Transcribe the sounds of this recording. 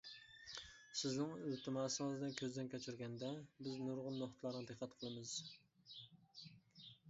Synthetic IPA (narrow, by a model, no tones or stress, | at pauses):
sɪznɪŋyt̪ʰɪmɑsɨŋɨzd̪ɛnkʲʰøzd̪ɛnkʲʰɛt͡ʃʰyɾɡʲɛnd̪ɛbɪznʊɾʁʊnːoχt̪ʰlˠɑɾnɨd̪ɨqʰːɑt̪qʰəlˠɨmɨz̥